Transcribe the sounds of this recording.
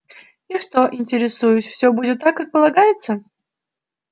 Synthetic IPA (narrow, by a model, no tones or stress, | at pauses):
iʂt̪oʔɪnʲtʲɪɾʲɪsujʊsʲfsʲɵbudʲɪt̪ːakːak̚pəlˠɐɡajɪt̪sə